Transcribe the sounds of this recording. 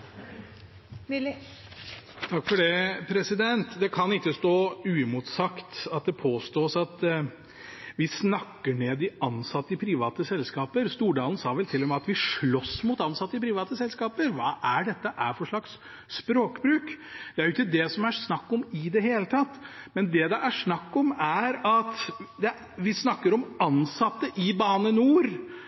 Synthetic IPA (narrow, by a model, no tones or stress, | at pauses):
t̪ʰɑkːfɔɖɛpʰɾɛsɪd̪ɛnt̪d̪ɛkʰɑnɪkːəst̪oːʉːɪmuːt̪sɑkt̪ɑt̪̚d̪ɛpʰoːst̪oːsɑt̪ | ʋɪsnɑkːəɳeːd̪ɪɑnsɑt̪ːəɪpʰɾiːʋɑːt̪əsɛlskɑːpəɾst̪uːɖɑːln̩sɑːʋɛlt̪ʰɪlːɔmɑt̪ʋɪʂɭɔsːmuːt̪ɑnsɑt̪ːəɪpʰɾiːʋɑːt̪ːəsɛlskɑːpəɾʋɑːʔæɖɛt̪ːəʔæɾfɔʂɭɑksː | pɾoːkbɾʉːkd̪̥ɛæɾjʊɪkːəd̪ɛsɔmæsnɑkːɔmɪd̪ɛɦeːlət̪ʰɑt̪ːmɛnd̪ɛd̪ɛʔæʂnɑkːɔmæɾɑt̪d̪ɛ | ʋɪsnɑkːəɾɔmɑnsɑt̪ːəʔɪbɑːnənuːɾ